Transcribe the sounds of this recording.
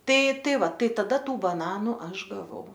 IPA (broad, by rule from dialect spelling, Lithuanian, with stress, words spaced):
ˈtɐɪ ˈtɐɪ ˈʋɐ ˈtɐɪ tɐˈdɐ ˈtuː bɐˈnɑːnuː ˈɐʃ ɡɐˈʋɐʊ